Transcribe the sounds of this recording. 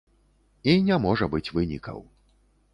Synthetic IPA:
inʲamɔʐɐbɨt͡sʲvɨnʲḭkɐ̰w

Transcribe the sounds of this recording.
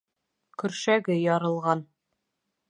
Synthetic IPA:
kɵ̆ɾʃæɡɘjɒɾɤ̆lˠʁɑn

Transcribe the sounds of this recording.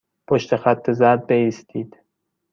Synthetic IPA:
pʰoʃt̪exæt̪ʰːe̞zæɾd̪̚beiːst̪ʰiːd̪̥

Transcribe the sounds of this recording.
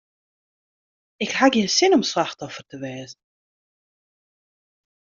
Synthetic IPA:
ɪkhaɡiənsɪnɔmslaxtɔfərtəʋɛːzən̩

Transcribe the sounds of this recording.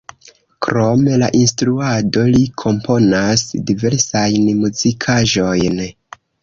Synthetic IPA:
kɾo̞me̞la̰ʔinstɾuado̞likʰo̞mpʰo̞nasdive̞ɾsajnmuzikʰaʒo̞jn

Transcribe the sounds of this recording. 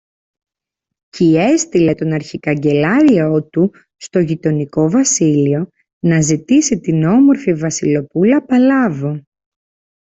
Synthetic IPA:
cie̞st̪ile̞t̪o̞nɐɾçikɐɲɟe̞lɐɾio̞t̪u | st̪o̞ʝit̪o̞niko̞vɐsilio̞ | nɐzit̪isit̪ino̞mo̞ɾfivɐsilo̞pulɐpɐlɐvo

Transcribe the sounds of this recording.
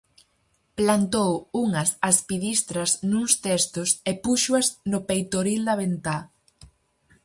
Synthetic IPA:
plant̪owuŋɐsaspiðist̪ɾɐznuŋst̪ɛst̪ʊsepuʃuɐznʊpejt̪oɾild̪ɐβent̪a

